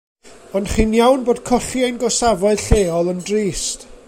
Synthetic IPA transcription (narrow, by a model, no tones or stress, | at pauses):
ɔndχiːnjawnboːd̥̚kʰɔɬiajnɡɔsavɔɨð̥ɬeːɔlˠəndriːst